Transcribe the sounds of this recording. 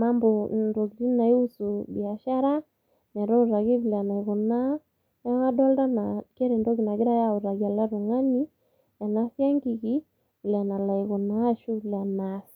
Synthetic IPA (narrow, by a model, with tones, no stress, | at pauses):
ma˦mbɔ˨ndɔ˨ki˨ɾi˦na˨i˦u˦su˨bi˨a˨ʃa˦ɾa˦ | nɛ˨ɾɔ˦u˨ɾa˨ɣi˦βi˨la˨na˨i˨ɣɔ˨na˦ | a˦a˦dɔ˦lta˦na˨kɛ˦ɾɛ˨ndɔ˦ki˨na˨ɡi˦ɾa˦ja˦u˨ɾa˨ɣi˦a˨la˦ɾu˨ŋa˦ni˦ | ja˨na˦sja˦ŋɡi˨ki˦ | i˨la˨na˨la˨i˨ɣɔ˨na˦ʃu˦ki˨la˨nasi̥